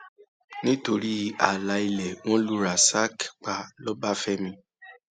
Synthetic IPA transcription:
nĩ˦to˧ɾi˦a˨la˧˦i˧lɛ˨w̃ɔ̃˦lu˦ɾa˨sa˦kk͡pa˧lɔ˦ba˦fɛ˦mĩ˧

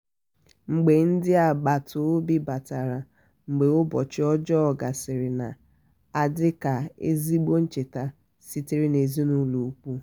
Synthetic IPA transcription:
ŋ͡m̩˨ɡ͡be˨n̩˦dɪ˦a˨ɡ͡ba˨tʰʊ˨˦bi˦ba˨ta˨ɾa˨ | ŋ͡m̩˨ɡ͡be˨ʊ˦bɔ˨t͡ʃɪ˦ɔ˦d͡ʒɔ˦ɔ˨ɡa˨sɪ˨ɾɪ˨na̰˨ | a˨dɪ˦ka˨ḛ˦zi˦ɡ͡bo˦n̩˦t͡ʃe˨ta˦ | si˦ti˦ɾɪ˦ne˨zi˦nu˦lu˨u˦k͡pu˦

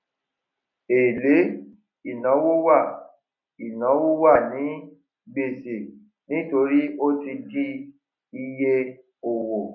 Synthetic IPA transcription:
e˨le˨˦ | i˨nã˨˦wo˦wa˦˨ | i˨nã˨˦wo˦wa˦˨nĩ˨˦ | ɡ͡be˨se˨ | nĩ˦to˧ɾi˦o˦ti˧di˦ | i˧je˦ | o˨wo˨

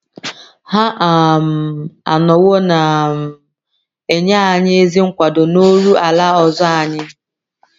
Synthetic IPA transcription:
ha˦ʔa˨m̩˨a̰˨nɔ˨wo˦na˨m˨ | e˨ɲa˦a˨ɲɪ˦e˦zi˦ŋ̩˦kʷa˨dʊ˨no˦ɾu˦a˨la˦ɔ˨zɔ˦a˨ɲɪ˦

